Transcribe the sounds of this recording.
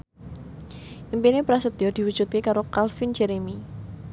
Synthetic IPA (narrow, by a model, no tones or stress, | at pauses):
ʔimpinepɾasəd̪̥iɔd̪̥i̤wud̥ʒ̥ut̪̚kekaɾokalfind͡ʒɛɾemi